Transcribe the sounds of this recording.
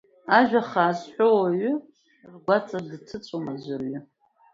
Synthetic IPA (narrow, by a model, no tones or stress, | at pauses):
aʒᶣaχaːsħʷᶣowaɥʏ | rɡʷat͡sʼadɨtʰɨt͡sʷʼomazʷarɥʊ